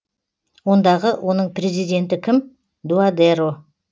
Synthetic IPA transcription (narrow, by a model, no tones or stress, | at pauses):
wo̞nd̪ɑʁəwʔo̞nəɴpɾʲe̞zijd̪ʲe̞nt̪ɪkʲʰɪm | d̪uad̪eɾo